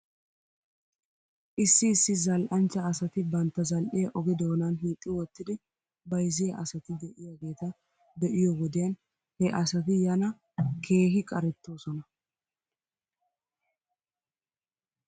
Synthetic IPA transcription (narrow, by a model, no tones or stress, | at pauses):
ʔɪsːɪːsːɪzɐlʔɐnt͡ʃːɐːsɐt̪ɪbɐnt̪ːɐzɐlʔɪjɐʔɔɡɪd̪o̞ːnɐnɦiːt̪ʼːɪwɔt̪ːɪd̪ɪ | bɐjzɪjɐʔɐsɐt̪ɪd̪ɛʔɪjaɡe̞ːt̪ɐ | d̪ɛʔɪjɔwɔd̪ɪjɐn | hɛʔɐsɐt̪̬ɪjɐnɐ | kʰe̞ːɦɪkʼɐɾɛt̪ːo̞ːsɔnɐ